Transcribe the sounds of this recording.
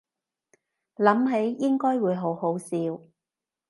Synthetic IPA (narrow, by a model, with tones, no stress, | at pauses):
lɐ˨˥mɦe˨˥jjɪ˥ŋkɔː˥jwuː˨˧jɦo˨˥who˨˥wsiː˧w